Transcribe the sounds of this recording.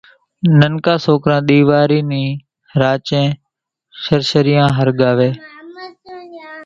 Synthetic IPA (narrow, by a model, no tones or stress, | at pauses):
nənkaːsoːkɾãːɗ̪iːʋaːɾiːnĩː | ɾaːt͡ʃẽː | ʃəɾʃəɾɪjãːɦəɾɠaːʋeː